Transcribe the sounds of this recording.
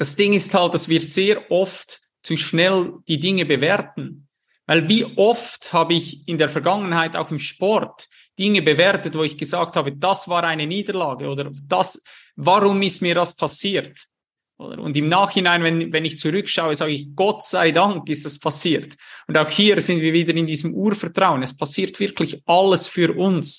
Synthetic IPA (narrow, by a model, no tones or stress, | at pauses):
d̥asd̥ɪŋɪsthalt̚d̥asviːɐz̥eːɾʔɔft | t͡suʃnɛld̥iːdɪŋəbəvɛɾtn̩ | vaɪlviːʔɔfthaːbəɪçɪndeːɐfɛɐɾɡaŋənhaɪta̰ʊxɪmʃpɔrt | d̥ɪŋəbəvɛɾtətvoːɪçɡ̥əzaːk̚thaːbəd̥asv̥aːɾaɪnəniːdəlaːɡəʔoːdəɾd̥as | vaʁʊmɪstmiːɐdaspʰasiːt | ʔo̰ːdə̰ɾʊ̰ndɪmnaːxhɪnaɪnvɛnvɛnɪçt͡suʁʏkʃaʊəzaːɡəɪçɡ̥ɔtsaɪdaŋkɪstaspʰasiːɾtʊndaʊxhiːɾz̥ɪndviːɐviːdəɾɪndiːzəmʔuːɾfɛɐtʁ̥aʊənɛspʰasiːɐtv̥ɪɐkʰlɪçʔaləsfyːɾʔʊns